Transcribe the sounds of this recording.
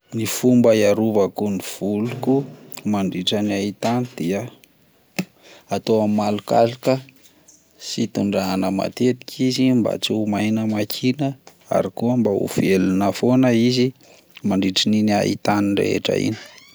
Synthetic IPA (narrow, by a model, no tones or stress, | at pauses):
nifumbəjaɾuvəkuniv̥ulukumaɳɖ͡ʐiʈ͡ʂəniait̪anid̪̥iə | at̪oammalukalikə | sit̪uɳɖ͡ʐanəma̰t̪et̪i̥kʰizimba̰t͡suumajnəmakʰinə | a̰ɾikuəmbaṵvelinəfonəizi | maɳɖ͡ʐiʈ͡ʂininia̰ḭt̪aniɖ͡ʐḛɦḛʈ͡ʂa̰ḭni̥